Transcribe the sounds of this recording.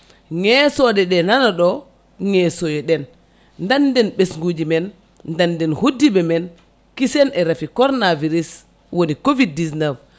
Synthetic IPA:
ŋɛsɔɗɛɗɛnanaɗɔ | ŋɛsojɛɗɛn | ndandɛnɓesŋɡud͡ʒimɛnː | dandɛnhudːibɛmɛn | kisɛnɛɾafikɔɾnaviɾis | wonikovid̚ːisnɛf

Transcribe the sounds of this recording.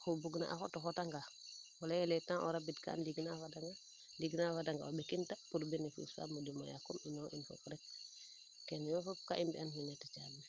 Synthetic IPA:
xubuɡna̰ʔa̰xotɔxotaŋɡawalajɛlɛtãŋʔoɾabitka̰ːndiɡnafadaŋɡa | diɡnafadaŋɡa̰obekintapuɾbinefṵsa̰mudima̰ja̰kuminɔʔinfo̰kuɾɛk̚ | kɛnjɔfop̚kaʔimbianhinɛtat͡ʃalːe

